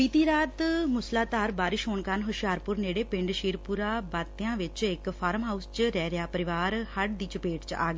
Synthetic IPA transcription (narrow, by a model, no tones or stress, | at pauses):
iːt̪iːɾaːt̪mʊslaːt̪aːɾbaːɾɪʃɦoːɳkaːnɦʊʃjaːɾpʊɾneːɽeːpɪ̃ɳɖʃiːɾpʊɾaːbaːt̪ɪjãːʋɪt͡ʃɪkpʰaːɾmɦaːʊst͡ʃɾɛːɾjaːpəɾɪʋaːɾhəɽd̪iːt͡ʃəpeːʈt͡ʃa̰ːɡeː